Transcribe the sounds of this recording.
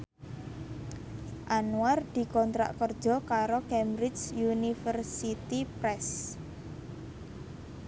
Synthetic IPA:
ʔanuard̪̥i̤kɔnt̪ɾa̰ʔkərd̥ʒ̥ɔ̤kaɾokɛmbɾɪd͡ʒjunifərsit̪ipɾɛs

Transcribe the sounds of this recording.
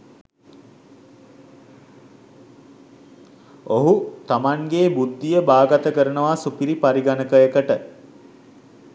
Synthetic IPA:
oɦut̪amaŋɡeːbud̪ʱːijəbaːɡat̪əkəɾənəʋasupiɾipaɾiɡanəkəjəkəʈə

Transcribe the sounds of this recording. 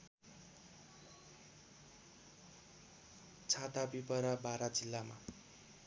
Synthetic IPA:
t͡sʰat̪abipʌɾabaɾad͡zilːama̰

